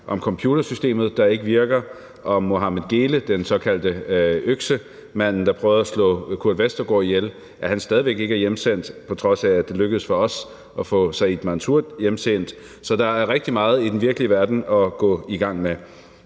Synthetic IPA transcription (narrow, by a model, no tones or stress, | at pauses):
ʔɒ̽mkʰɒ̽mpʰjuːd̥ɐsysd̥e̝̰ːmð̩ˠd̥ɑ̈e̝ɡ̥əʋiɐɡ̥ɐ | ʔɒ̽moɦɑ̈məɡ̥e̝ːləd̥ensɒ̽kʰæld̥əøɡ̥sə | mæn̰n̩d̥ɑ̈pʰʁœːʊðˠɒslɔ̰̽ːkʰuɐd̥ʋesd̥ɐɡ̥ɒ̰ːijel | ʔæɐhænsd̥ɛːð̞ˠiʋe̝ɡ̥e̝ɡ̥æɐjemsen̰d̥pʰɒ̽t͡sʰʁɒ̽sæ̥ːe̝løɡ̥əð̩ˠsfɒ̽ɒ̽s | ʔɒfɔ̰̽ːsɑ̈ɪid̥mɑnt͡sʰuɐ̰d̥jemsen̰d̥ | sɒ̽d̥ɑ̈æɐʁɛɡ̥d̥imɑ̈ːð̞̩ˠid̥en̩ʋiɐɡ̥əliəʋæɐd̥n̩ɒ̽ɡ̥ɔ̰̽ːiɡ̥ɑ̈ŋ̰me